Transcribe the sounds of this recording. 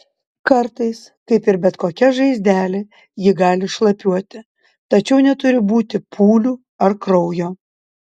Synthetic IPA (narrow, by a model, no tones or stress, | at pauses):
kɐɾt̪ɐɪskɐɪpɪɾbʲɛt̪koːkʲɛʒɐɪzʲd̪ʲæːlʲe | jɪɡɑːlʲɪʃlˠɐpʲuɔt̪ʲɪ | t̪ɐt͡ʃʲɛʊnʲɛt̪ʊɾʲɪbuːt̪ʲɪpʰuːlʲuː | ɐɾkɾɔʊjoː